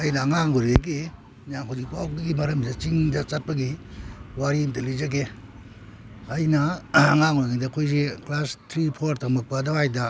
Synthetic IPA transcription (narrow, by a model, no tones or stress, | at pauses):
ajnɐːŋaŋuɾɡeɡi | njaŋɦawzik̚pawɡiɡimɐɾɐmdet͡ʃiŋdɐt͡ʃat̚pɐɡiwaɾimtɐlizaɡe | ajnɐːŋaŋuɾɡedɐkʰojzeklastʰɾipʰoɾtʰamɐk̚padawajdɐ